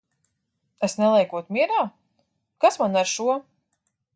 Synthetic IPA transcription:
esnɛlˠɛjkuɔt̪mʲiɛɾaː | kasmanaɾʃuɔ

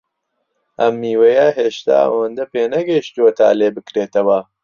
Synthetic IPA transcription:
ʔɐmːiːwɐjɐɦeːʃt̪a̰ːɐ̰wɐnd̪ɐpeːnɐɡɐjiʃt̪uwɐt̪ʰa̰ːleːbɨkɾeːt̪ɐwɐ

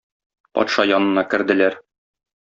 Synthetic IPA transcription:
pɒ̰t̪ʃɑjɒnɤ̆nɑkɘ̆ɾd̪ɘ̆læɾ

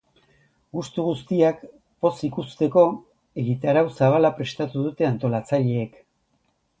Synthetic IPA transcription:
ɡust̪uɣust̪iak | po̞sikust̪e̞ko̞ | e̞ɣit̪aɾawsaβ̞alapɾe̞st̪at̪uðut̪e̞ant̪o̞lat͡saʎe̞ːk

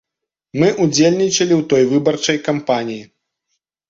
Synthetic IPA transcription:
mɨʔud͡zʲelʲnʲit͡ʂɐlʲiwt̪ɔjvɨbɐrt͡ʂɐjkampanʲiji

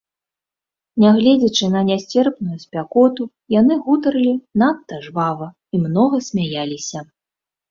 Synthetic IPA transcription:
nʲaɣlʲɛd͡zʲɐt͡ʂɨnɐnʲasʲt͡sʲɛrpnujusʲpʲakɔt̪u | janɨɣut̪ɐɾɨlʲinat̪ːɐʐvavɐ | imnɔɣɐsʲmʲajalʲisʲɐ

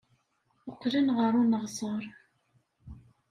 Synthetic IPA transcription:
ʊqːlənʁəɾˤunəʁsəɾˤ

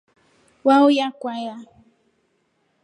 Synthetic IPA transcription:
wawjakʷaja

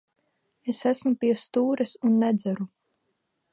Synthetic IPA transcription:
esæsmupʲiɛst̪uːɾɛsunːɛd̪zæɾu

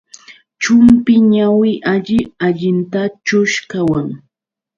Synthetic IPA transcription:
t͡ʃʊmpɪɲawɪʔaʎɪaʎɪnt̪at͡ʃʊʃkawaŋ

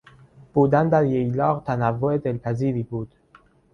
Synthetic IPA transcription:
b̥ud̪ænd̪æɾjejlɒːʁt̪ʰænævːoed̪elpʰæziːɾiːbuːd̪̥

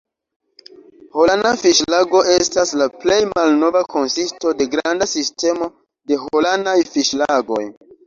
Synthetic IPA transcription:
holandafiʃlaɡo̞ʔe̞staslaple̞jmalno̞vakʰo̞nsisto̞de̞ɡɾandasiste̞mo̞ | de̞ɦolanajfiʃlaɡo̞̰j

